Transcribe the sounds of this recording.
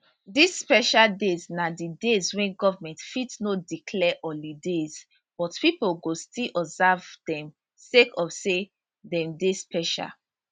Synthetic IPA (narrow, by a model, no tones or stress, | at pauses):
disspɛʃaldeznadidezwɛ̃nɡɔvamɛ̃ntfitnodikʰlɛʔɔlidez̥ | b̥ɔtpipolɡostilʔɔbzavdɛ̃m | sekɔfse | dɛ̃mdespɛʃa̰l